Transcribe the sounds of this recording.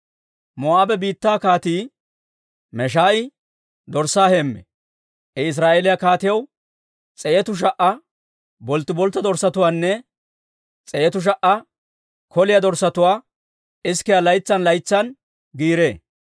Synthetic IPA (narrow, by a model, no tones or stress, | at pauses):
mɔaːbɛbiːt̪ːaːkaːt̪iː | mɛʃ̬aːɪ | d̪ɔɾsaːhemːɛ̰ | ɛɪs̬ɾaːʔeːlɪjɐkaːt̪ɪjɐw | t͡sʼɛʔɛt̪ʊʃ̬ɐʔɐ | bɔlt̪ːɪbɔlt̪ːɐd̪ɔɾsːɐt̪ʊwaːnːɛ | t͡sʼɛɛt̪ʊʃ̬ɐʔɐ | kɔlɪjɐd̪ɔɾsːɐt̪ʊwaː | ɪskːɪjɐlɐjt͡sːɐnlɐjt͡sːɐn | ɡiːɾeː